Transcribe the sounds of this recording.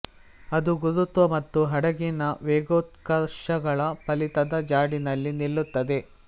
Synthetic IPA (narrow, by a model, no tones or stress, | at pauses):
ɐd̪uɡud̪ut̪ʋɐmɐt̪ːuɦɐɽɐɡinɐʋeːɡoːt̪̚kɐɾʃɐɡɐɭɐpɐlit̪ɐd̪ɐd͡ʒaːɽinɐlːinilːut̪ːɐd̪e̞